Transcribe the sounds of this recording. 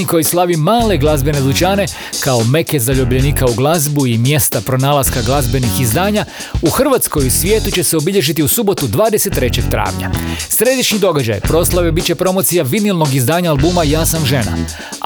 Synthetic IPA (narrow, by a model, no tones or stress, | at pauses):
iko̞jislˠaʋimaːle̞ɡlˠazbe̞nelut͡ɕaːne̞ | kao̞me̞kezaʎubʎeniːkauɡlˠazbuimje̞st̪apɾo̞naːlˠaskaɡlˠazbe̞nixizd̪aːɲa | uxr̩ʋat̪sko̞jusʋʲjeːt̪ut͡ɕe̞seo̞biʎe̞ʒit̪iusubo̞t̪ud̪ʋaːd̪ese̞t̪ːɾe̞t͡ɕe̞k̚t̪ɾa̰ːʋɲa̰sɾe̞d̪iʃɲid̪o̞ɡad͡ʑa̰jpɾo̞slˠaʋebit̪̚t͡ɕe̞pɾo̞mo̞t̪sijaʋid̪nilˠno̞ɡizd̪aːɲaalbumajaːsamʒe̞na̰